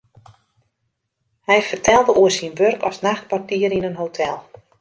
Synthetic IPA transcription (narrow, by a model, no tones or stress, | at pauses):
hɛjfərtʰɛlˠdəʔuəsinʋørkʰɔsnaxtpwartiəɾinənɦowtʰɛlˠ